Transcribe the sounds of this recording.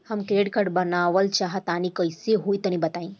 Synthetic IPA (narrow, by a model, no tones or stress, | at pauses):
həmkeːɖkəɽbənaːʋəlt͡ʃaɦət̪anikəjsiɦuit̪ənĩbɐt̪aːĩ